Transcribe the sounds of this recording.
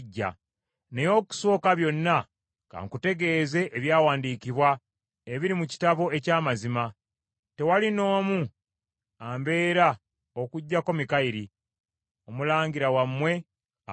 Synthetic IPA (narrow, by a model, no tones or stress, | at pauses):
ɟːa̰ | ne̞jo̞ːku̥so̞ːkaβjo̞nːa | ka̰ŋkute̞ɡe̞ːze̞ʔːβjaːwaːndiːkiβwa | eβiɾimuci̥taβo̞e̞caːmazima | te̞walino̞ːmu | ambe̞ːɾa | o̞kuɟːako̞mikaiɾi | omulaːɲɡiɾawamːwe̞